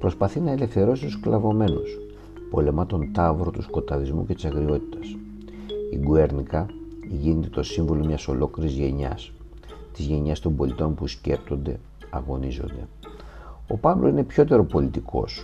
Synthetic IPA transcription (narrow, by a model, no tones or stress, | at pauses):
pɾo̞spɐθinɐele̞fθe̞ɾo̞sit̪usklɐvo̞me̞nos | po̞le̞mɐt̪o̞nt̪ɐvɾot̪usko̞t̪ɐðizmṵce̞t̪isɐɣɾio̞t̪i̥t̪ɐ̥s | iɡueɾnikɐʝine̞t̪e̞t̪o̞siɱvo̞lo̞mɲɐso̞lo̞kliɾizʝe̞ɲɐ̰s | t̪izʝe̞ɲɐst̪o̞mbo̞lit̪o̞npusce̞pt̪o̞nd̪e̞ | ɐɣo̞nizo̞̰nd̪e̞̰ | o̞pɐvlosine̞pço̞t̪e̞ɾo̞po̞lit̪ikʰo̞̰s